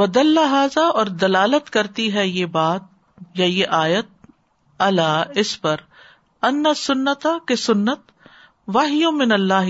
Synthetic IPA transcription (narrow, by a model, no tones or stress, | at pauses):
ʋɐd̪ɐlːaɦaːzaʔɔːɾd̪ɐlaːlət̪kɐɾt̪iɦɛjeːbaːt̪̚ | jajeʔaːjət̪̚ | ɐlaːɪspɐɾ | ɐnːɐsʊnːət̪akesʊnːət̪ | ʋaɦɪjõmɪnɐlːaːɦ